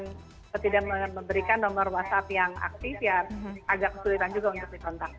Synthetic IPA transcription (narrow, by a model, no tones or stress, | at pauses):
n | at̪idaʔməməmbəɾikanːomərwasap̪jaŋa̰k̚t̪ɪfjaaɡakːəsulit̪and͡ʒuɡaunt̪ʊk̚dikɔnt̪ak̚